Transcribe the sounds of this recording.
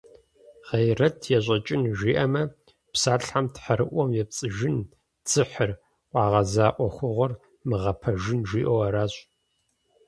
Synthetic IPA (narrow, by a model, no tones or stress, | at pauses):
ʁejrɐtʰjɛɕʷʼɐt͡ʃʼɪnʒʷiːʔɐmɐ | psaːɬħamtħaɾɨʔʷɔmjɛp̚t͡sʼɨʒɪn | t͡sʰɨħɨr | ʔʷʼɑːʁɐzaːʔʷɔxʷʊʁʷɔr | mɨʁɐpʰɐʒɪnʒiːʔowɐɾaːɕʼ